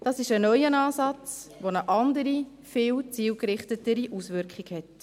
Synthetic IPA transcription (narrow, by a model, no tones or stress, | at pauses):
d̥ɑːsɪʃənœʏənɑːsɑt͡sʋonəʔɑndəɾi | fɪːwt͡siːwkɾɪχtətəɾiʔusʋʏɾkχiɡhɛt